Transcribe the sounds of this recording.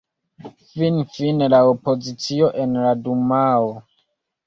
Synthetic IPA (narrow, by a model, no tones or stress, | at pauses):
finfinelaopo̞zit͡sio̞ʔenladumao